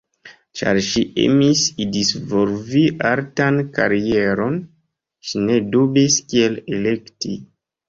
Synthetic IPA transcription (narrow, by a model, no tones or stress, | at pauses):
t͡ʃa̰ɾʃiḛmisidisvolviʔaɾtanka̰ɾieɾo̞n | ʃine̞dubiskielele̞kti